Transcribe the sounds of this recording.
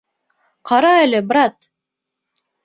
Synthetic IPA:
qʰɑɾɑelʲebɾat̪

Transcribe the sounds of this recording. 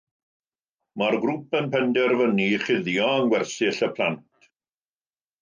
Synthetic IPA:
marɡrʊpənpʰɛndɛrvəniχɪðjɔəŋɡwɛrsɪɬəpʰlˠantʰ

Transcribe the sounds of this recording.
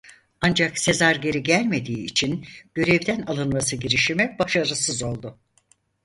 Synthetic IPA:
and͡ʒakse̞zaɾɟe̞ɾiɟælʲme̞d̪iːt͡ʃʰinɟ̥ø̞ɾɛvd̪ænalˠɯnmasɯɟiɾiʃimib̥aʃaɾɯsɯzo̞lˠd̪ʊ

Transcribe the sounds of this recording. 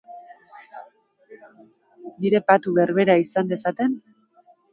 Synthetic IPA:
niɾe̞pat̪uβe̞rβe̞ɾaisand̪e̞sat̪e̞n

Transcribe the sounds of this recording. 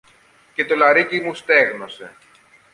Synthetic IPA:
ce̞t̪o̞lɐɾicimust̪e̞ɣno̞se̞̰

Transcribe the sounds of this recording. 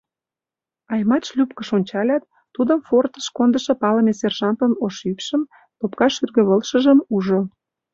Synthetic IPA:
ɑjmɑt͡ɕlʲupkə̆ʃonʲt͡ɕɑlʲɑt̪ːud̪əmfort̪ə̥ʃkond̪əʃɤ̆pɑləmeserʒɑnt̪ənoʃypʃəm | t̪opkɑʃyrɣø̆βəlʃə̆ʒə̆muʒo

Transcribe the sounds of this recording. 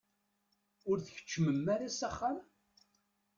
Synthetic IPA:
ʊɾθəçə̥t͡ʃːməmːæɾasaχːam

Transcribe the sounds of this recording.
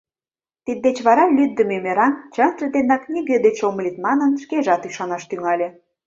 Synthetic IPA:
t̪id̪ːet͡ɕβɑɾɑlʲyd̪ːəmemeɾɑnt͡ɕənt̪rəd̪enɑknʲiɣed̪et͡ɕoməlʲit̪mɑnənʃkeʒɑt̪yʃɑnɑʃt̪yŋɑlʲĕ

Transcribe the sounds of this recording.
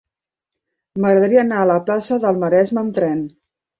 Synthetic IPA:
məɣɾəðəɾiəːnaələplasəðəlˠməɾɛzməːmt̪ɾɛn

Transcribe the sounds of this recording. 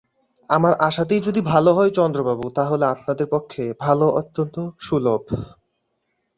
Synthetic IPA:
amaɾʔaʃat̪̬ejd͡ʑod̪ibʱaloɦɔet͡ɕɔnd̪ɾobabut̪aɦoleap̚nad̪eɾpokʰːebʱaloʔot̪ːont̪oʃulob

